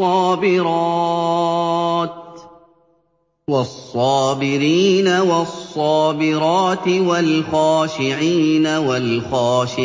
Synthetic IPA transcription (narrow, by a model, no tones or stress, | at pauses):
ɑːbɪɾɑ | t̪ | wɑsˤːɑːbɪɾiːnawɑsˤːɑːbɪɾɑːt̪ɪwalxaːʃɪʕiːnawalxaːʃɪ